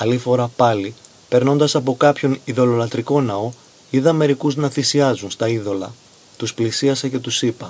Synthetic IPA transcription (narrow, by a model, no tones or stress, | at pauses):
ɐlifo̞ɾɐpɐli | pe̞ɾno̞nd̪ɐsɐpo̞kɐpço̞niðo̞lo̞lɐt̪ɾiko̞nɐo̞ | iðɐme̞ɾikuznɐθisiɐzunst̪ɐiðo̞lɐ | t̪usplisiɐsɐce̞t̪usipɐ